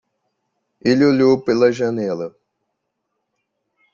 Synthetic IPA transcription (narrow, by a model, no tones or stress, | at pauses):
eliolopelɐʒɐnɛlɐ